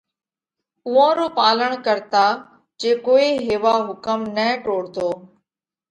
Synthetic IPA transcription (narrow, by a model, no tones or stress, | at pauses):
ʊʋãːɾoːpaːləɳ̃kəɾt̪aː | d͡ʒeːkoːiːɦeːʋaːɦʊkəmnɛ̃ːʈoːɽt̪oː